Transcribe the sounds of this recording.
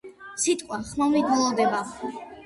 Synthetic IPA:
sit̪ʼqʼwaχmamvid̪wɛlˠɔd̪ɛba

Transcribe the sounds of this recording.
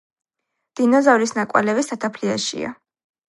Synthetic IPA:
d̪̥inɔzavlisnakʼwa̰lɛvist̪ʰat̪ʰapʰliaʃḭa̰

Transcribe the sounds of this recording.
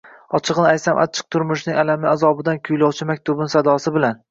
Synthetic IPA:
ɒt͡ʃʰɨʁnɪaj̪samʔa̰t͡ʃʰɨ̥q̚t̪ʰʊɾmʊʃnɪŋalamɪazɒbɪd̪ankʲʰʊjlɒwt͡ʃʰɪmak̚ʲt̪ʰʊbɪnsad̪ɒsɪbɪlan

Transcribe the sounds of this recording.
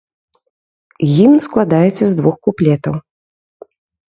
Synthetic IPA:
jinsklˠad̪ajɛt̪sʲɐzd̪vuxkuplʲɛt̪ɐw

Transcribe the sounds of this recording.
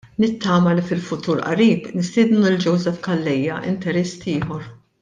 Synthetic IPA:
nɪt̪ːɐːmɐlifɪlfʊt̪uːɾʔɐ̰ɾiːpnɪst̪ɪːd̪nuld͡ʒɔwzɛfkɐlːɛjːɐʔɪ̰nt̪ɛɾɛst̪ɪːħɔɾ

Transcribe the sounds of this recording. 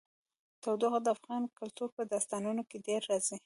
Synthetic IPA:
t̪awd̪oɣad̪əafɣɑnkalt̪uɾpəd̪ɑst̪ɑnunokeɖeɾːɑzi

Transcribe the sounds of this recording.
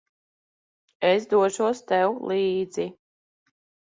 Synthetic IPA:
esd̪uɔʃuɔst̪ɛwlˠiːd̪zi

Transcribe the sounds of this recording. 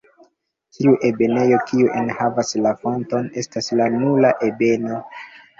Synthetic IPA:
tʰiuʔe̞be̞ne̞jo̞kiuʔenhavaslafonto̞ne̞staslanulaʔe̞be̞no̞

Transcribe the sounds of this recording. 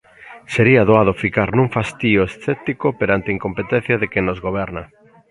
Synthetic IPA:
seɾiaðoað̞ofikaɾnũŋfast̪ioesθɛt̪ikopeɾant̪eiŋkompet̪ɛn̟θjaðekɪnozɣoβ̞ɛɾnɐ

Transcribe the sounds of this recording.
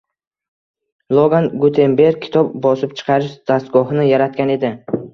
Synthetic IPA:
lˠoɡanɡut̪ʰe̞mbe̞ɾ̚ʲkʲʰɪ̥t̪ʰɒb̚bɒsɪp̚t͡ʃʰɨ̥qʰɑɾɪʃd̪̥ast̪ɡɒɦnɪjaɾat̪̚kʲane̞d̪ɪ

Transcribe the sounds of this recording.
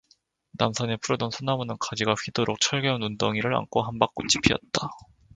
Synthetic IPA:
namsʰʌnepʰuɾʌdʌnsʰonːamunɯnkad͡ʑiɡaɸɥidoɾok̚t͡ɕʰʌɭɡʌunundoŋiɾɯɾa̰nkʰoɦanbak͈ot͡ɕ͈ʰi̥pʰiʌ̰t̚t͈a

